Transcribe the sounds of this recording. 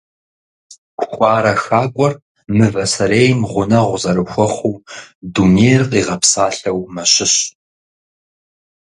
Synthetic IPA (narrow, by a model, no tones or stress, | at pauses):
kʷʰʼxʷʼɑːɾɐxaːkʷʼɔr | mɨvɐsɐɾeːjmʁʷʊnɐʁʷʊzɐɾɨxʷɔχʷuːduneːjrqiːʁɐpsaːɬɐwmɐɕɪɕ